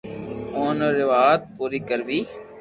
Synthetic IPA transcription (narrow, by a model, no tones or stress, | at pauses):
oːnəɾɪʋaːjət̪̚puːɾiːkəɾʋiː